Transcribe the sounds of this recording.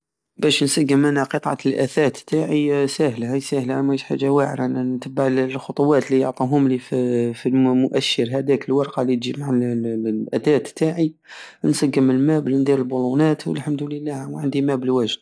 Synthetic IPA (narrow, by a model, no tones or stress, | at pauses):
bæʃnsæɡːəmʔænæqət̪ˤʕɑ̰lʔæθæt̪t̪ːaʕisæhlhæjsæhlmæħa̰ʒːawaʕɾannt̪əbːaʕllxʊt̪ˤʊwɑt̪lijoʕt̪ˤuɦʊmlififimʊʔæʃːəɾɦæd̪ækəlwɑɾˤqɑlit̪ʒimaʕalʔæt̪æt̪t̪ːaʕi | nsæɡːəməlmæbəlnd̪ˤiɾəlbulunæt̪wə̰lħamd̪ʊləlːæhwʕənd̪imæbəlwæʒd̪